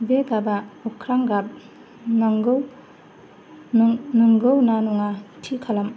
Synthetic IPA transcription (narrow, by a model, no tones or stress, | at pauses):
beɡabaɔkʰɾaŋɡap̚ | naŋɡɯw | nɯŋɡɯwnanuŋatʰikʰalam